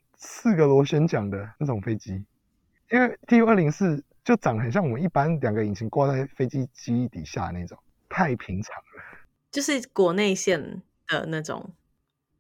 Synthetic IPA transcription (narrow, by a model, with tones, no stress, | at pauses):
s̩˥˩ɡə˨lwɔ˧˥ɕɥɛ˥nt͡ɕjɑ˨˩ŋd̪ə˩na˥˩ʈ͡ʂʊ˨˩ŋfe˥ɪt͡ɕi˦ | i˥˦ŋwe˥˩ɪt̪i˥˨˥ə˥˩˨li˧˦˥ŋsɹ̩˥˩ | t͡ɕjo˥˩ʊʈ͡ʂɑ˨˩ŋɦə˨nɕ̬jɑ˥˩ŋwɔ˨˩mə˦i˥˩pa˦nljɑ˨˩ŋɡə˨i˨˩nt͡ɕʰi˨˦ŋkwa˥˧t͡sa˥˩ɪfe˥ɪt͡ɕi˦t͡ɕi˥i˥˩t̪ḭ˨˩ɕja̰˥˧na˥˩ɪʈ͡ʂʊ˨˩˦ŋ | t̪ʰa˥˩ɪpʰi˧˥ŋʈ͡ʂʰɑ˨˦ŋlə˦ | t͡ɕjo˥˧ʊʂɻ̩˥˩kwɔ˧˦ne˥˧ɪɕjɛ˥˨˩n | d̪̥ə̰˩na˥˩ʈ͡ʂʊ̰˨˩ŋ